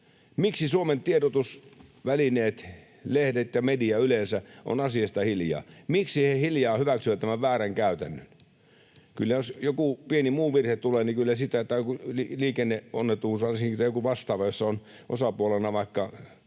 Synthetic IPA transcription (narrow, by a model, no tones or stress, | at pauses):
miksisuoment̪ieɾot̪usʋælineːt̪ | lehdet̪jɑmediɑylensæʔo̰nɑsiɑst̪ɑhiljɑ̰ːmiksihehiljɑːhyʋæksyʋæt̪t̪ːæmæʋʋæːræŋkæˑyt̪ænːø̥n | kylːæjosjokupienimuːʋirhet̪uleːnikylːæsit̪æt̪ːækuliliːkenːeo̰nːet̪uːsɑsit̪æjokuʋɑst̪ɑːʋɑjosːɑon | ʔo̰sɑpuolenɑʋɑˑikːɑ